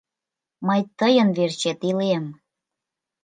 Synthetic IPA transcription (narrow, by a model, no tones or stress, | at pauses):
məjt̪əjənvert͡ɕet̪ilem